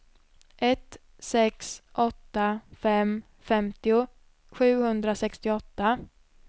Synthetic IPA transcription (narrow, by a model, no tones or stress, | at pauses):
ʔɛt̪ | sɛksʔɔt̪ːafɛm | fɛmt̪ɪʊ | ɧʉ̟ːhɵnd̪ɾasɛkst̪ɪɔt̪ːa